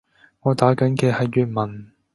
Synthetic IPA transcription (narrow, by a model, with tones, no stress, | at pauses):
ŋɔː˨˧t̪aː˨˥kɐ˨˥nkɛː˧hɐ˨jːyː˨t̚mɐ˨˩n